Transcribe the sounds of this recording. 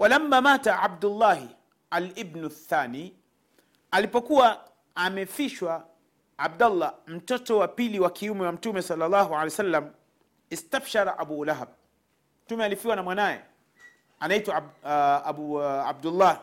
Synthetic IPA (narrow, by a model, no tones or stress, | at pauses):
wʔalamːamaːtaʕab̚dulːaɦ | alibnuθaːniː | alipɔkuwa | amɛfiʃwa | ab̚dalːam̩tɔtɔwapiliwakʰiumɛwam̩tumɛsɑlːalːaːɦualɛjsalːam | istafʃaɾaʔabulaɦab̚ | m̩tumɛalifiwanamwanajɛ̰ | anaitwa | aua̰b̚dulːa